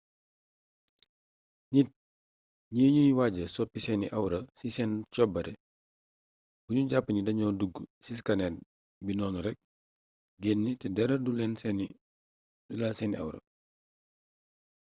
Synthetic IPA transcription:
nit̚ | ɲiːɲujwaɟɐsɔpːisɛnḭʔɐwɾɐsisɛnt͡ʃɔbːɐɾɛ̰ | b̥uɲuɟapːəɲidɐɲɔːduɡusis̬kɐnɛt̚ | binɔːnuɾɛk̚ | ɡenːitɛdɛɾɐdulɛːnsɛni | dulaːsɛniʔa̰wɾɐ̰

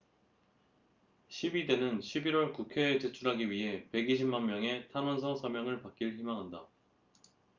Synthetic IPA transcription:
ɕʰibide̞nɯnɕʰibiɾwʌɭkukʰe̞ːt͡ɕe̞t͡ɕʰuɾɦaɡiɥiɦe̞pe̞ɡiɕ̬ʰimanmjʌŋe̞tʰanʌnsʰʌsʰamjʌŋɯɭpak͈̚iɭçimaŋɦanda

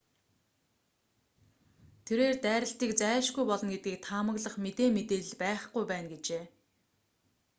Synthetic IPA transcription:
t̪ʰeɾeːrt̪æːɾə̆ɬt̪iːkt͡sæːʃɡujpɔɮɞ̆nɡet̪̚ɡiːk̚t̪ʰaːmə̆ɣɮə̆χmet̪eːmet̪eːɮ̆ɮpæːχɡujpæːnɡet͡ɕeː

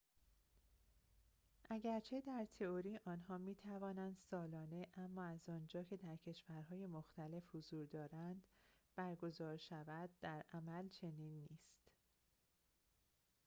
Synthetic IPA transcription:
ʔæɟæɾt͡ʃʰe̞d̪æɾt̪ʰe̞oɾiːʔɒːnhɒːmiːt̪ʰævɒːnænd̪̥sɒːlɒːne̞ʔæmːɒːæzɒːnd͡ʒɒːcʰe̞d̪æɾcʰe̞ʃvæɾɦɒːje̞moxt̪æle̞fhozuːɾd̪ɒːɾænd̪̥b̥æɾɡo̞zɒːɾʃævæd̪̚ːæɾʔæmælt͡ʃʰe̞niːnːiːst̪

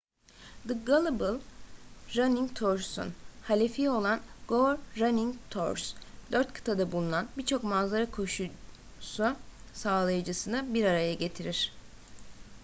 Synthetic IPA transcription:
d̪ɯɡalˠɯbɯlˠ | ɾaniŋt̪ʰoɾsṵnhalʲefio̞lˠanɡ̥oɾːaniŋt̪ʰoɾsd̪øɾt̪kʰɯ̥t̪ʰad̪abulˠunanbiɾt͡ʃʰo̞kmazaɾakʰo̞ʃu | su | saːlˠajɯd͡ʒɯsɯnɯbiɾaɾajaɟe̞t̪ʰiɾiɾ̥

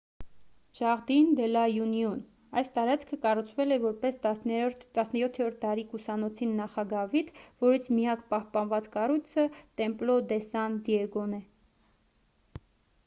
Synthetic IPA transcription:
ʒ̥ɑʁd̪ind̪ɛlɑjunjun | ɑjst̪ɑɾɑt͡sʰkʰəkɑrut͡sʰvɛlɛvɔɾpɛsɾt̪t̪ɑsnəjɔt̪ʰːɛɾɔɾt̪̚ʰt̪ɑɾikusɑnɔt͡sʰinːɑχɑɡɑvit̪vɔɾit͡sʰmijɑkpɑhpɑnvɑt͡skɑrujt͡sʰət̪ɛmplɔd̪ɛsɑnd̪iɛɡɔnɛ

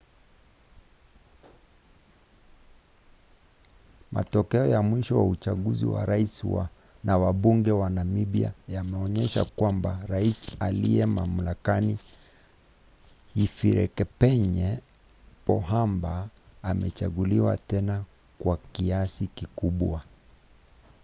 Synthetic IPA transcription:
mʔa̰tɔkɛɔjamwiʃɔwaut͡ʃaɠuzḭwa̰ɾaiswa | nawaɓuŋɡɛwanamiɓia̰jamɛɔɲɛʃa̰kwambaɾaisaliɛmam̩lakani | ifiɾɛ̰kɛpɛɲɛ | pɔɦambaːmɛt͡ʃaɠuliwa̰tɛna | kwakiasikikuɓwa

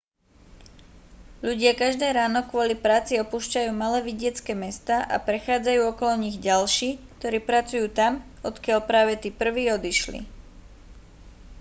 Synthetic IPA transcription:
ʎuɟɪakaʒd̪ɛːɾaːnɔkʋʊɔlipɾaːt͡siɔpuːʃcajuːmalɛːʋiɟɪɛt͡skɛmɛst̪aːʔa̰pɾɛxaːd͡zajuːɔkɔlɔɲiɣɟalʃiːk̚t̪ɔɾiːpɾat͡sujuːt̪amɔt̪kɪaʎpɾaːʋɛt̪iːpr̩ʋiːɔd̪iʃlḭ

